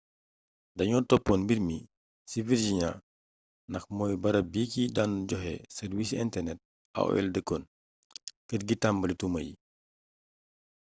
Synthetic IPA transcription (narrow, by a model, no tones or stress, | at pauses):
dɐɲɔːtɔpːɔnbiɾmi | siviɾd͡ʒiɲa | nɐxmɔːjbɐɾɐbiːkidanɟɔɦɛ̰sɛɾwis̬ɛntɛrnɛt̚ | ɐ̰wɔ̰ɛ̰ldəkːɔn | kətɡitambɐlitumɐ̰jḭ